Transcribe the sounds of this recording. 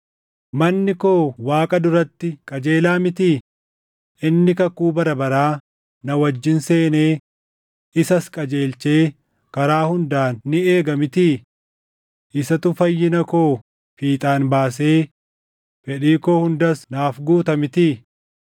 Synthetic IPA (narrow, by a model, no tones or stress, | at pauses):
mɐnːɪkoːwaːkʼɐd̪ʊɾɐt̪ːɪkʼɐd͡ʒe̞ːlaːmɪt̪iː | ʔɪnːɪkɐkuːbɐɾɐbɐɾaː | nɐwɐd͡ʒːɪnse̞ːne̞ː | ɪsɐskʼɐd͡ʒe̞ːlt͡ʃe̞ː | kɐɾaːhʊnd̪aːnːɪe̞ːɡɐmɪt̪iː | ʔɪsɐt̪ʊfɐjːɪnɐko̞ː | fiːt̪ʼaːnbaːs̬e̞ː | fɛᶑiːko̞ːhʊnd̪ɐsnaːfɡuːt̪ɐmɪt̪iː